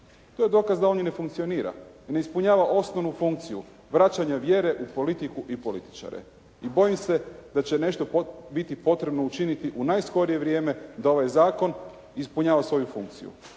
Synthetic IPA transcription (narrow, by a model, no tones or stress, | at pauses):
t̪oje̞d̪o̞ːkazd̪ao̞nine̞fuŋkt̪sio̞niːɾa̰ne̞ispuɲaːʋaʔo̞snoʋnufuŋk̚t̪sijṵ | ʋɾat͡ʃaɲaʋje̞ɾe̞ʔupo̞lit̪ikuʔipo̞lit̪i̥t͡ʃa̰ɾḛ | ibo̞jimse̞d̪at͡ɕe̞ne̞ʃt̪o̞bit̪ipo̞t̪ɾe̞bno̞ut͡ʃinit̪iʔunajsko̞ɾije̞ʋɾʲje̞ːme̞d̪ao̞ʋajzaːko̞n | ispuɲaːʋasʋo̞jufṵŋk̚t̪sḭṵ